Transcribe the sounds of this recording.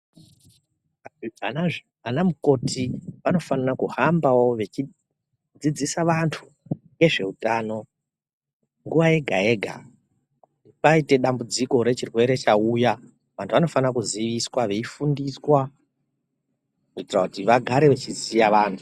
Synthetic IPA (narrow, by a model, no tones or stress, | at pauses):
ana | anamuko̞tʰiʋano̞fanarakuhambawo̞ʋe̞t͡ʃi | d͡zid͡zisaʋantʰu̥ | ŋɡe̞ʐe̞utaːno̞ | ŋɡuʋaje̞ɡʱae̞ːɡʱa̰ | kuutipaite̞ɗambud͡ziko̞ɾe̞t͡ʃirwe̞ɾe̞t͡ʃauːja | ʋantʰuʋano̞fanarakuziʋiswaʋe̞ifundiswa | notirakutiʋaɡʱaɾe̞ʋet͡ʃizijaʋaːntʰu̥